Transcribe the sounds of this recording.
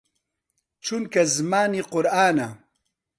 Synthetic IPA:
t͡ʃʰunkɐzmaːniːqʊɾaːnɐ

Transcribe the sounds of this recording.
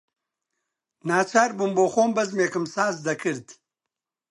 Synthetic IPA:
naːt͡ʃaːɾbumboːxoːmbɐzmeːkɐmsaːzd̪ɐkɨɾd̪

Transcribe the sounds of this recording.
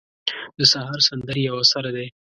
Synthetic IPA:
d̪əsahɑɾsand̪əɾjawasaɾad̪e

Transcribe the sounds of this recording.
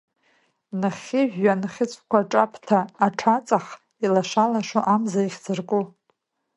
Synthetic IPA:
nɨχʲɪʒᶣanχʲɪt͡sʷʼkʷʰaʈ͡ʂʼapʰtʰaːʈ͡ʂʰat͡sʼaχ | ilaʂalaʂoʔamzaiχʲd͡zɨrkʼu

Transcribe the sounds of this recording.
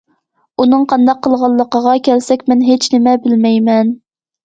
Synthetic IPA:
unɨŋqʰɑnd̪ɑqʰːəlˠʁɑlˠːəqəʁɑkʲʰælsɛkʲmɛnɦet͡ʃnɪmɛbɪlmɛjmɛn

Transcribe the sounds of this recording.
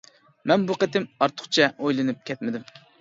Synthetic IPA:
mɛnbuqet̪ɪmɑɾt̪ʰʊ̥χt͡ʃʰɛʔojlˠɨnɨp̚kʲʰɛt̪mɪd̪ym

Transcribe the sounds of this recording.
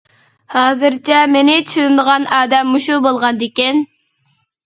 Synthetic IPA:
hɑːzɨɾt͡ʃʰɛmenɪt͡ʃ̪ʰʃynd̪əʁɑnɑːd̪ɛmːuʃubolˠʁɑnd̪ekʲin

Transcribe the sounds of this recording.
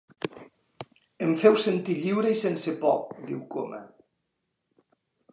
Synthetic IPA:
emfɛwsent̪iʎiwɾeisensepɔ̰kðiwkomɐ̰

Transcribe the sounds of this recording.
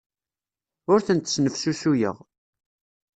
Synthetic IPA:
ʊɾθənt̪snəfsusujə̰ʁ

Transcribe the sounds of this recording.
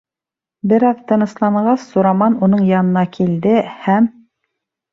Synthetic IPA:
bɘ̆ɾɑðt̪ɤ̆nɤ̆slˠɑɴɢɑsːuɾɑmɑnunɤɴjɑnɤ̆nɑkʰild̪ɘhæm

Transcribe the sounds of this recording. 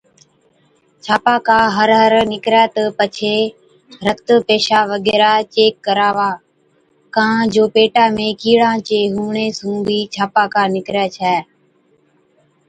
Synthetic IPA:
t͡ʃʰaːpaːkaːɦəɾɦəɾnɪkɾɛːt̪əpət͡ʃʰeː | ɾəkt̪əpeːʃaːʋəɠɛːɾaːt͡ʃeːkːəɾaːʋaː | kãːd͡ʒoːpeːʈaːmẽːkiːɽãːt͡ʃeːɦuːɳeːsũːbʱiːt͡ʃʰaːpaːkaːnɪkɾɛːt͡ʃʰɛː

